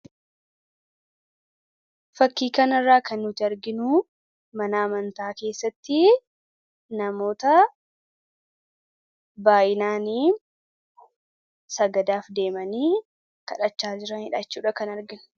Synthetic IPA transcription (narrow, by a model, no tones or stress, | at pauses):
fɐkːiːkɐnɐrːaːkʰɐnːʊt̪ɪɐɾɡɪnʊ | mɐnaːmɐnt̪aːke̞ːsːɐt̪ːɪ | nɐmo̞ːt̪ɐ | baːʔɪnaːniː | sɐɡɐd̪aːfd̪e̞ːmɐniː | kɐᶑɐt͡ʃːaːd͡ʒɪɾɐnhɪᶑat͡ʃːuːᶑɐkɐnɐɾɡɪnʊ̥